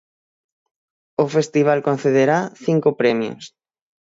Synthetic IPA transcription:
ofest̪iβ̞alkon̟θeðeɾaθiŋkopɾemjo̰s

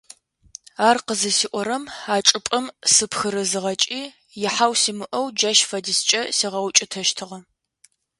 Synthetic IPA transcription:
aːrqəzɐsiːʔʷɔɾɐmaːt͡ʃʼɨpʼɐmsɨpxɨɾɨzɨʁɐt͡ʃʼiː | jɪħawsiːmɨʔɐwd͡ʒɐʃfɐdɨst͡ʃʼɐsiːʁɐwt͡ʃʼɪtʰɐʃtʰɨʁɐ

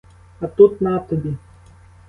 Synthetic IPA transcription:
ɐt̪ut̪nat̪ɔbʲi

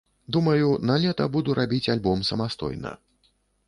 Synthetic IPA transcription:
d̪umɐjunalʲɛt̪ɐbud̪uɾʔabʲit͡sʲalʲbɔmsɐmast̪ɔ̰jnɐ̰

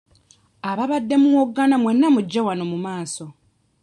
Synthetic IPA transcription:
aβaβadːe̞muwoɡːanamwe̞nːamuɟːewanomumaːso̞

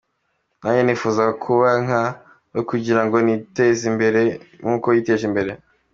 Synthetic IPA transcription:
naːɲenifuːzaɡakʰuβaŋ̥a | jokuɟiɾaŋɡo̞nitezimbe̞ɾe̞ŋuːko̞jiːte̞ːʒimbe̞ɾe̞

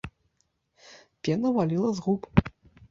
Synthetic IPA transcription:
pʲɛnɐvalʲilˠɐzɣup

